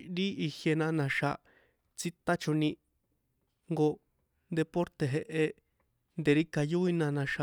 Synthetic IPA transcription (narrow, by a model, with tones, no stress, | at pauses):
ɾi˦ʔi˧hje˧nã˧nã˧ʃa˧ | t͡si˦t̪a˦t͡ʃo˧nĩ˧ | ŋɡo˧ | nd̪e˧po˦ɾt̪e˨ɦe˧ʔe˧ | nd̪e˨ɾi˦ka˧ju˦i˦nã˧nã˧ʃa˧